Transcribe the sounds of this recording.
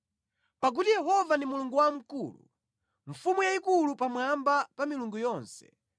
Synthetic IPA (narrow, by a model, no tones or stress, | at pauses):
pak̬utijɛɦɔvandimuluŋɡuwam̩kulṵ | ɱ̩fumujaikulupamwambapamiluŋɡujɔːnsɛ̥